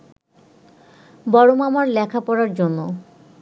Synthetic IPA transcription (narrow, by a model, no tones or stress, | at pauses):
bɔɽomamaɾlɛkʰapɔɾaɾd͡ʑonːo